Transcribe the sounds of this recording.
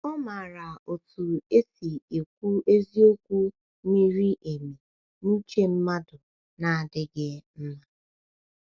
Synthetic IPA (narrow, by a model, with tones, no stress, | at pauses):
ɔ˦ma˨ɾa˨o˨tu˨e˦si˨e˨kʷu˦e˦zi˦o˦kʷu˦ | mi˦ɾi˦ʔe˨mi˨ | n̩˦t͡ʃe˦m̩˦ma˦dʊ˨ | na˨a˨dɪ˦ɡɪ˦m̩˦ma˦